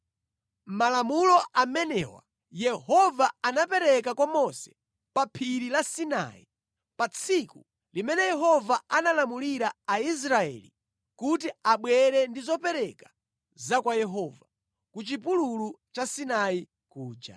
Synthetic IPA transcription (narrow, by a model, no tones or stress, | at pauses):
m̩malamulɔʔamɛnɛ̰wa̰ | jɛhɔvaanapɛɾɛkakwamɔsɛ̥ | papʰiɾilasina̰ḭ | pat͡sʰiku | limɛnɛjɛɦɔvaanalamuliɾaais̬ɾaɛ̰lḭ | kutiaɓwɛɾɛndizɔpɛɾɛkḁ | zakwajɛɦɔva | kut͡ʃipululut͡ʃasinai | kuːd͡ʒa̰